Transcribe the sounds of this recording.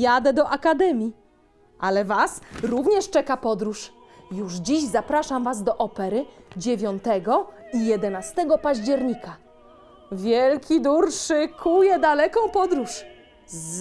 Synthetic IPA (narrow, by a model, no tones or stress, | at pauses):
jad̪ɛd̪ɔʔakad̪ɛmʲi | ʔalɛvasɾuvɲɛʂt͡ʂɛkapɔd̪ɾuʂ | juʐd͡ʑiʑzapɾaʂamvazd̪ɔʔɔpɛɾɘd͡ʑevʲjɔnt̪ɛɡɔijɛd̪ɛnast̪ɛɡɔpaʑd͡ʑɛɾɲika | vʲjɛlkʲid̪uɾʂɘkʰujɛd̪alɛkɔ̃w̃pɔd̪ɾuʂ